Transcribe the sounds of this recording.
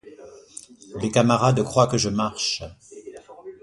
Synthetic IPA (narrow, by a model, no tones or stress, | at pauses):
lekamaʁad̪kχwakəʒəmaʁʃ